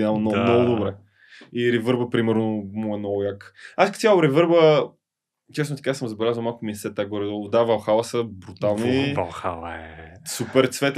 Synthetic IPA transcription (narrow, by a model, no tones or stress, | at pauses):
amnɔnɔɡʊd̪obɾɛ | iɾɛvɤɾbəpɾimɛɾnomɔɛnɔjakaskt̪ʲjalʊɾɛvɤɾbə | t͡ʃɛsnot̪ɐ̥kasəmzɐbɛlʲazvəwmalˠkʊmisɛt̪ːaɡɔɾɛd̪ɔlˠd̪avɐlˠxalˠəsəbɾut̪alˠnivxalɛsupɛɾt̪svɛt̪